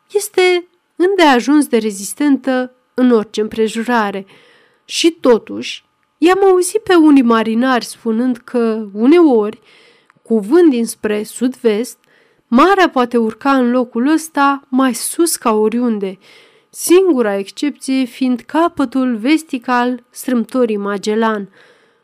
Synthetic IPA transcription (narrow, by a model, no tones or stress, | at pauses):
je̞st̪e̞ | ɨnd̪e̞aʒunsd̪e̞ɾe̞zist̪e̞nt̪ə | ɨno̞rt͡ʃe̞ɨmpɾe̞ʒoɾaɾe̞ | ʃit̪o̞t̪uʃʲ | jamauzipe̞unijmaɾinarʲspunɨnd̪kʰəune̞o̞rʲ | kuvɨnd̪d̪inspɾe̞sud̪ve̞st̪ | maɾeapoat̪e̞urkaɨnlo̞kuləst̪amajsuskaoɾʲund̪e̞ | siŋɡuɾae̞kst͡ʃe̞p̚t̪sije̞find̪kapət̪ulve̞st̪ikalst̪ɾɨmt̪oɾijmad͡ʒe̞lan